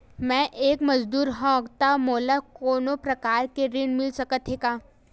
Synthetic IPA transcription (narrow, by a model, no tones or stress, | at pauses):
mɛ̃ʔeːkməd͡ʒd̪uːɾɦɔ̃ɡt̪amoːlakoːnopɾɐkaːɾkeɾinmɪlsəkət̪ɦekaː